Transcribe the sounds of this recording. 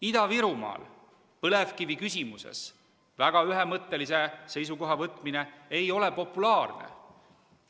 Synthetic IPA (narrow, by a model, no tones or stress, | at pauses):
id̪ɑviɾumɑ̰ːl | pɤlevkivikysʲimusḛs | væɡ̥ɑyɦemɤt̪ːe̞lisese̞js̬uko̞ɦɑvɤt̪ːˑmine̞ejo̞lepo̞pːulɑːrnḛ